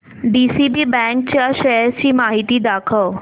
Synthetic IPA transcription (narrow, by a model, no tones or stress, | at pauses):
ɖiːsibiːbɛ̃ːŋkt͡ɕʃɐəɾd͡ʑiːmaːɦit̪id̪aːkʰə